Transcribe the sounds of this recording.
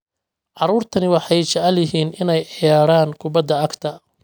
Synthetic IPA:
ʕɑɾuːrt̪ʰɐnɪwɑħɑjt͡ʃɛʕljɪɦiːnɪnɛjɪjaːɽaːŋkʰʊbɐd̪ːɐɐɡt̪ʰɐ

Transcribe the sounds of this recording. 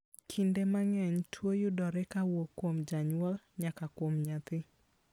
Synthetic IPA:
kʰindemaŋɛɲtʰwojʊdɔɾɛkawokːwomd͡ʒaɲuɔl | ɲakakwomɲat̪ɪ

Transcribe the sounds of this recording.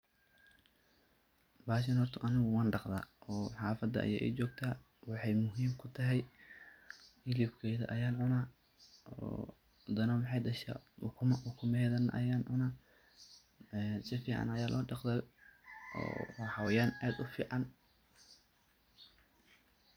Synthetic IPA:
baːʃ̬ɪnhɔrt̪ʰɐʔɐnɪɣʊwɑːnɖɑqða̰ːʔɔːħɑːfɐd̪ɐʔɐ̰jɛ̰ʔɛ̰jt͡ʃɔːɡ̚t̪ʰaː | wɑħɑjmʊɦiːmkʰʊt̪ʰɐɦɛj | ɪlibkʰɛjðɐ̰ʔɐjaːnʕʊnaː | ɔ̰ | d̪ɐnɐwɑħɑjd̪ɐʃa̰wkʰʊmwʊkʰʊmɛjðɐnʔɐ̰jaːnʕʊnaː | ɛsɪfiːʕɑ̰nɐjaːlʔɔ̰ːɖɑqd̪ɐl | ɔ̰ːħɑwɛjaːnaːd̪ʊfiːʕɑn

